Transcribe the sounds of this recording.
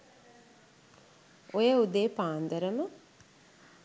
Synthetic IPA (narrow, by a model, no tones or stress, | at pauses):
ojəud̪eːpaːnd̪əɾəmə